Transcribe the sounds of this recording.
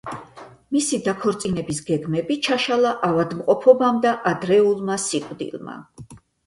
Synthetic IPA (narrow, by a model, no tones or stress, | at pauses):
misid̪akʰɔɾt̪sʼinɛbisɡɛɡmɛbit͡ʃʰaʃalˠaʔavad̪mqʼɔpʰɔbamd̪aʔad̪ɾɛulˠmasiqʼd̪ḭlˠma̰